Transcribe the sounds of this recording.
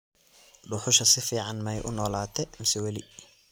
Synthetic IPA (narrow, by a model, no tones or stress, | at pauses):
ɖʊħʊʃɐsɪfiːʕɑnmɐjʔʊnɔːlaːt̪ʰɛmɪsɛwɐlɪ